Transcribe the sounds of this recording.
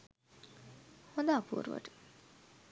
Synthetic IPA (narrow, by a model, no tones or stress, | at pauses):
hod̪aːpʰṵːɾʋə̰ʈ